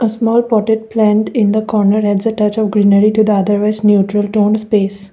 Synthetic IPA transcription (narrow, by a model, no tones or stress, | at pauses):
əsmɔːlpɔːʈɪʈ̚plæ̃ːnʈɪ̃nd̪əkɔːɾnəɾɦɛɖzəʈʌt͡ʃɔʋɡɾiːnəɾiʈud̪əɐd̪əɾʋaɪznjuːʈɾəlʈõːnspeːs